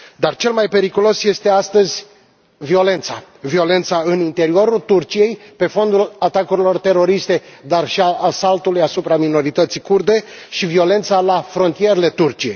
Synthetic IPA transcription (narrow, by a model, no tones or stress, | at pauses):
d̪art͡ʃe̞lmajpe̞ɾikulo̞sje̞st̪e̞ast̪əzʲ | vio̞le̞nt̪sa | vio̞le̞nt̪saɨnint̪e̞ɾio̞ɾult̪urt͡ʃije̞jpe̞fo̞nd̪ulat̪akuɾilo̞rt̪e̞ɾo̞ɾist̪e̞d̪arʃiaʔasalt̪ulujasupɾamino̞ɾit̪ət̪sijkurd̪e̞ʃivio̞le̞nt̪salafɾo̞nt̪ije̞ɾele̞t̪urt͡ʃije̞j